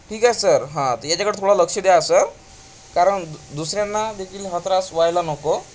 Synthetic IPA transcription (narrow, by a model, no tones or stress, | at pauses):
ʈʰiːkaesəɾɦãt̪əjat͡ɕakəɽet̪ʰoɽaləkʂəd̪easəɾ | kaɾəɳd̪usɾjãnːad̪ekʰiːlɦət̪ʰɾasʋajlanɔko